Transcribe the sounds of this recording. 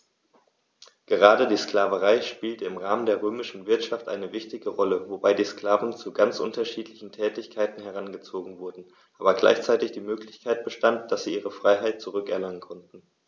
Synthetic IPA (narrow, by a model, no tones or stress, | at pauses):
ɡ̥əʁaːdədiːsklaːvəʁaɪʃpiːltəɪmʁaːməndeːɐʁ̞øːmɪʃn̩vɪɐtʃaftʔa̰ɪnəvɪçtɪɡəʁɔləvobaɪdiːskl̥aːvn̩t͡suɡant͡sʔʊ̰ntɐʃiːtlɪçn̩tʰɛːtɪçkʰaɪtn̩hɛʁ̞anɡət͡soːɡŋ̩vʊɐdn̩ | ʔaːbɐɡla̰ɪçt͡saɪtɪçd̥iːmøːklɪçkʰaɪt̚b̥əʃtantd̥asz̥iːʔiːʁ̞əfʁ̥aɪɦaɪt̚t͡suʁʏkɛɐlaŋənkʰɔntn̩